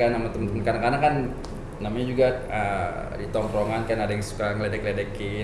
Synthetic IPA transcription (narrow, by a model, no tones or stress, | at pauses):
anamat̪umənt̪əmənkarnakarnakan | namaɲad͡ʒuɡaə | dit̪ɔmpɾoŋankajnadajaŋsu̥kaŋəledɛkledɛki